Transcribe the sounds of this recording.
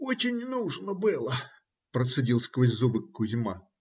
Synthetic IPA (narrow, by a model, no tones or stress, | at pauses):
ot͡ɕɪnʲnuʐnəbɨlˠə | pɾət̪sɨdʲilˠsʲkvəzʲzubɨkːʊzʲɪma